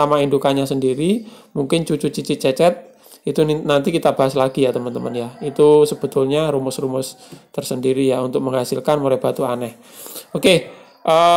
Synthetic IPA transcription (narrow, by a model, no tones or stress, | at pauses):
amaindukaɲasəndiɾi | muŋkɪnt͡ʃut͡ʃut͡ʃit͡ʃit͡ʃɛt͡ʃɛt̪̚ | it̪unant̪ikit̪ab̥aɦaslaɡijat̪əmənt̪əmənjait̪usəb̥ə̤t̪ʊlɲaɾumʊsrumʊs | t̪ərsəndiɾijaunt̪ʊk̚məŋɦasɪlkanmuɾɛb̥at̪uanɛh | oke | ʔə